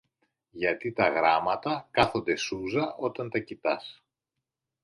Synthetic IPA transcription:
ʝɐt̪it̪ɐɣɾɐmɐt̪ɐkɐθond̪e̞suzɐʔo̞t̪ɐnt̪ɐcit̪ɐs

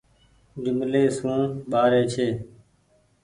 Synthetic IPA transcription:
ɡɪmleːsũːɓaːɾeːt͡ʃʰeː

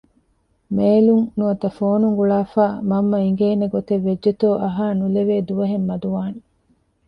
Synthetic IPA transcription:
meːluŋnuɐt̪ɐfoːnuŋɡuɭaːfaːmɐmːɐiŋɡeːneɡot̪eʋːed͡ʒːet̪oːʔɐɦaːnuleʋeːd̪uʋɐɦemːɐd̪uʋaːni

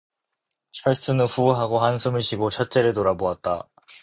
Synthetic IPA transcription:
t͡ɕʰaɭs͈ɯnɯnɸuɦaɡoɦansʰɯmɯɭɕʰiɡot͡ɕʰʌt̚t͡ɕ͈eɾɯɭtoɾaboat̚t͈a̰

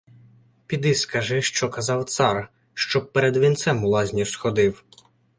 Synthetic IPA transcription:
pʲid̪ɪskɐʒɪʃt͡ʃɔkɐzɑwt̪sɑr | ʃt͡ʃɔb̚pɛɾed̪ʋʲint̪sɛmʊlˠɑzʲnʲisxɔd̪ɪw

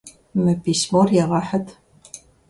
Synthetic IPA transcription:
mɨpʰiːsmorjɛʁɐħɐtʰ

